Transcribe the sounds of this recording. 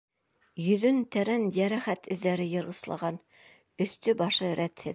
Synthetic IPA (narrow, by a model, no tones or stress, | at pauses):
jɵ̆ðɵnt̪æɾænjæɾæχæt̪ʰɵ̆ðːæɾɘjɤ̆ɾʁɤ̆slˠɑ̰ʁɑn | ɵ̆θt̪ɵbɑʃɤɾʔæt̪hɘ̰